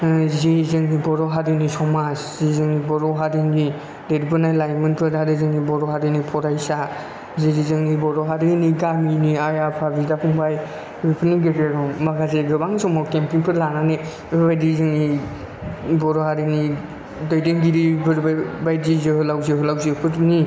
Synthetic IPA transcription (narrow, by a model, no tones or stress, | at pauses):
zizɯŋnibɔɾɔɦaɾinisɔmaszizɯŋnibɔɾɔɦaɾini | dedibɯnajlajmɯnpʰɯɾdadɯzɯŋnibɔɾɔɦaɾinipʰɔɾajsa | ziɾizɯŋnibɔɾɔɦaɾiniɡaminiajapʰabidapʰuŋbaj | bipʰɯniɡeɡeɾɔmmaɡazeɡɯbaŋsɔmɔkempiŋpʰɯɾlanane | bbajdizɯŋni | bɔɾɔhaɾini | dɔjdeŋɡiɾibɯɾbbajdizeɦɯlawziɦɯlawzipʰɯɾni